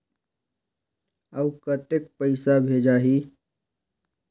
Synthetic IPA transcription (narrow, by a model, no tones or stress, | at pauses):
əwkət̪ek̚pəɪsabʱeːd͡ʒaːɦiː